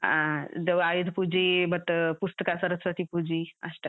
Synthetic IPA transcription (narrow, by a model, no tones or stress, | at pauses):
ad͡zeʋajud̪ʱpud͡ʑibət̪əpust̪əkasəɾət͡sʋət̪ipud͡ʑia̰sʈə